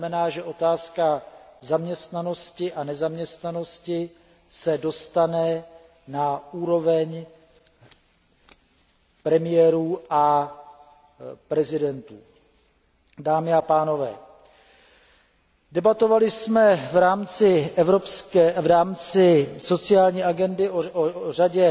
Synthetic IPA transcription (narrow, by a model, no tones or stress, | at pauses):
mɛnaːʒɛʔo̞t̪aːskazamɲɛst̪nano̞scɪʔanɛzamɲɛst̪nano̞scɪ | sɛdo̞st̪anɛ | nauːɾo̞vɛɲ | pɾɛmɪjɛːɾuːʔa | pɾɛzɪdɛnt̪uː | daːmɪapaːno̞vɛ̰ː | dɛbat̪o̞valɪsmɛvɾaːmt͡sɪɛvɾo̞pskɛːvɾaːmt͡sɪso̞t͡sɪaːlɲiːʔaɡɛndɪʔoʔor̝aɟɛ